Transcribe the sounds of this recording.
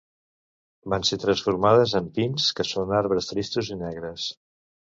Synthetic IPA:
banset̪ɾənsfuɾmaðəzəmpinskəsonaɾβɾəst̪ɾist̪uzinɛɣɾəs

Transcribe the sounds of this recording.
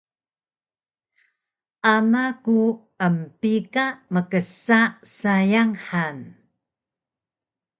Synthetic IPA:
ʔanaku | əmpikaʔməkəsaʔsajaŋħan

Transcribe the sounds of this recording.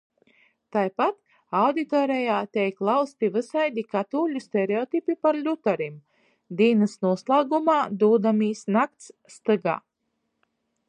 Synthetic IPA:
t̪ajpat̪ | awd̪it̪ɔːɾɛjaːt̪ʲɛjklˠawst̪ivɨsajd̪ʲikat̪uːlʲusʲt̪ʲɛɾeɔt̪ipipaɾlʲut̪aɾim | d̪iːnɨsnuɔslˠaːɡumaːd̪uːd̪amiːsnak̚t̪sːt̪ɨɡa̰ː

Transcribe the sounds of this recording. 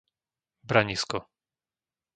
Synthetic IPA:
bɾaɲiskɔ

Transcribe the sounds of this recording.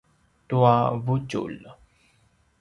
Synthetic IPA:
t̪uavut͡ʃṵl

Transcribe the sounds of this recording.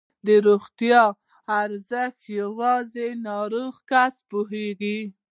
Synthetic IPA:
d̪əɾoɣt̪jɑ | aɾzəxt̪jawɑzenɑɾoɣkaspoɦeɡi

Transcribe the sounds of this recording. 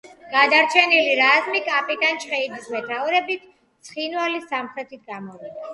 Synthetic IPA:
ɡ̥ad̪aɾt͡ʃʰɛniliɾazmikʼapʼid̪ant͡ʃʰχɛid̪ismɛt̪ʰauɾɛbit̪ʰ | t̪sʰχinvalisamχɾɛt̪ʰit̪̚ɡamɔvid̪a

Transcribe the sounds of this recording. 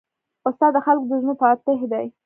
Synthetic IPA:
ʊst̪ɑd̪ːəxalkod̪əʒnupɑt̪ɪhd̪aj

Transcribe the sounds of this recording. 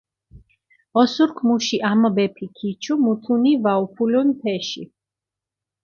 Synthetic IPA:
ɔsuɾkʰmuʃiʔambɛpʰikʰit͡ʃʰumut̪ʰunivaupʰulunp̪ʰɛʃḭ

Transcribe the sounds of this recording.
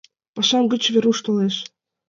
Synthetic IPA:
pɑʃɑmɡɤ̆t͡ɕvʲeɾuʃt̪oleʃ

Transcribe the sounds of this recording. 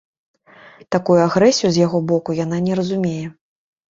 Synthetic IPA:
t̪akujuaɣɾɛsʲijuzʲjaɣɔbɔkujan̪anʲɛɾɐzumʲejɛ

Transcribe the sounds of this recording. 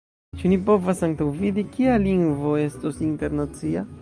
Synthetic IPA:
t͡ʃunipo̞vasaŋkawvid̪ikialiŋɡvo̞e̞sto̞sinte̞ɾnat͡sia

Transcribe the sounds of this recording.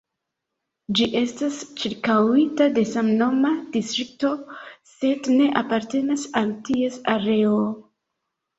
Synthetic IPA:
d͡ʒiʔe̞stast͡ʃiɾkawitade̞samno̞mad̥istɾik̚to̞se̞dne̞ʔapaɾte̞nasaltie̞saɾe̞o

